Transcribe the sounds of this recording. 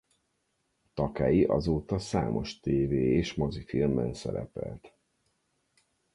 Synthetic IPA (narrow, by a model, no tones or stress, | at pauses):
t̪ɒkaːjiʔɒzoːt̪ɒsa̰ːmʔo̞ʃt̪eːveːeːʃmɒzifilmbɛnsɛɾɛ̰pɛlt̪